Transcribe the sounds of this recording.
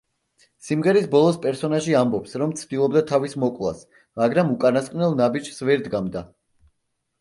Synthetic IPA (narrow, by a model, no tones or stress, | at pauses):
simʁɛɾisbɔlˠɔspʼɛɾsɔnaʒiambɔpsɾɔmt̪sʰd̪ilˠɔbd̪at̪ʰavismɔkʼlˠa̰s | maɡɾamukʼanasqʼnɛlˠnabid͡ʒsvɛɾd̪ɡamd̪a